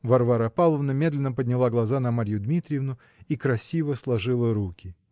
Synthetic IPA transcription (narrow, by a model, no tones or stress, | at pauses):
vɐrvaɾəpalˠəvnəmʲe̞d̪lʲɪnːəpədʲnʲɪlˠaɡlˠɐzanɐmaɾʲjʊd̪mʲit̪ɾʲɪjɪvnʊ | ikɾɐsʲivəslˠɐʐɨlˠəɾukʲɪ